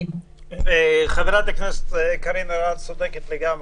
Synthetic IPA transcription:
χaveɾat̪akneset̪kaɾinoɾat̪sod̪eket̪leɡame

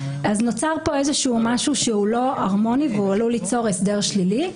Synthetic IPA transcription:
aznot͡saʁpo̞ezeʃuːmaʃuʃeulo̞aʁmo̞niveualulit͡so̞ʁesdeʁʃlili

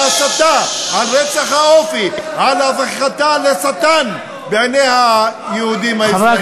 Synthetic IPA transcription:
asat̪ahaʁet͡saχhaofiʕalhavaχiχat̪alesat̪an | beʕeneha | jeud̪imhai

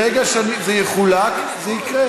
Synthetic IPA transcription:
eɡaʃanizejeχulak | zeikʁe

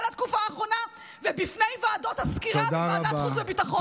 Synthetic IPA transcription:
lat̪kufaːχʁo̞na | vebifnejvoado̞thaskiʁadaaaχuzvebitaχo

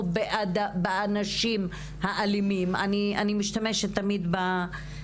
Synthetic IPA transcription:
beʔad̪abaanaʃim | haʔalimima̰nianimiʃt̪ameʃet̪ːamid̪ba

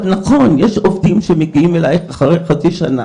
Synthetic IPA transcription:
naχo̞njeʃovdimʃemeɡiimelajeχaχʁejχat͡siʃana

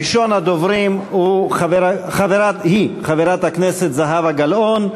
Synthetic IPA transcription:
ʃo̞nad̪ovʁimhuχaveɾaχaveʁathiχaveʁat̪hakneset̪zaɦavaɡalʔo̞n

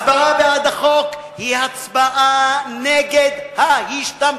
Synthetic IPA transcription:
baavead̪aχo̞k | hihat͡sbaʔaneɡed̪hahiʃt̪am

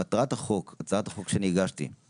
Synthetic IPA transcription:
atʁat̪haχo̞kat͡sʁat̪aχo̞kʃeniɡaʃt̪ḭ

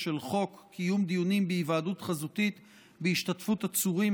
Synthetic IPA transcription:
ʃelχo̞kːijumd̪ijunimbeivaːdutχazut̪it̪ | beiʃtatfuthat͡suʁim

